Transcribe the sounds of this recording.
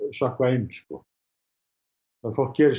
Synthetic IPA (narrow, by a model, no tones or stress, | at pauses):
sahkvaejnskɔ | aðfɔl̥kcɛːɾɪ